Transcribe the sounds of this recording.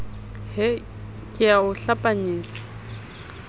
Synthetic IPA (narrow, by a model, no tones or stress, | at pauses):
hɪ | kʼɪaʊɬapʼaɲeːt͡sʼḁ